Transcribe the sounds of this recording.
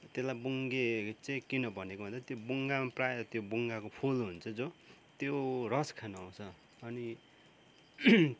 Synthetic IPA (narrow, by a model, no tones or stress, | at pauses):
t̪elajbuŋɡet͡saĩkinʌbʱʌnekobʱʌnd̪at̪jobuŋɡamprajet̪jobuŋɡakopʰulɦunt͡sʰʌd͡zot̪jorʌskʰanaaw̃t͡sʰʌ | ʌni